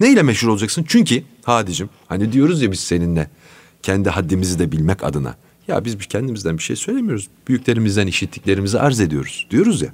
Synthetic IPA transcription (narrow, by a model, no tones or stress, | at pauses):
nejlʲɛmɛʃhuɾolˠad͡ʒaksɯnt͡ʃʰyɲcʰi | haːd̪id͡ʒim | hanid̪ijo̞ɾuzjabiz̥se̞ninːɛ | cʰɛnd̪iɦad̪ːimizid̪ɛbilʲmɛca̰d̪ɯna̰ | ja̰bizbicʰɛnd̪imizd̪ænbiʃejsø̞jlʲemijo̞ɾuzbyjycʰʲlʲe̞ɾimizd̪æniʃit̪ʰːʲiclʲe̞ɾimiziʔaɾze̞d̪ijo̞̰ɾuz̥d̪ijo̞ɾuzja̰